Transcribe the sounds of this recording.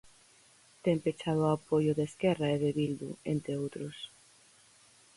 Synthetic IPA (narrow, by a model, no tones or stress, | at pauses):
t̪empet͡ʃað̞ʊapojʊðeskɛraeðeβild̪ṵent̪eowt̪ɾʊs